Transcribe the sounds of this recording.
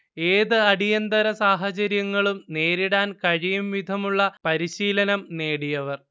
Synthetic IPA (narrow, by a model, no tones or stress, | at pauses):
eːðɨɐɽijɐnd̪ɐɾɐsaːɦɐt͡ɕɐɾjɐŋːɐɭumne̞ːɾiɽaːnkɐɻijumʋid̪ʱɐmuɭːɐpɐɾiɕiːlɐnɐmne̞ːɽijɐʋɐr